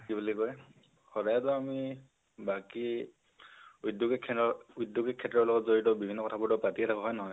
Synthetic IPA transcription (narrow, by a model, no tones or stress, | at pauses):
kibulikɔɹɛ | xɔdajɔtʊami | baki | udjuɡikʰːɛɔudjuɡikʰːɛtːɹɔɹlɔɡɔtzoɹitɔbibʱinːɔkɔtʰabutɔpatiɛtʰakʰɔɦɔjnɔɦɔj